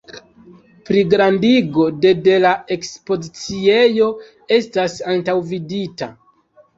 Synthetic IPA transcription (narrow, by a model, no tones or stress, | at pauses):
pɾiɡɾandiɡo̞de̞de̞lae̞kspo̞zit͡sie̞jo̞ | e̞stasantawvidita̰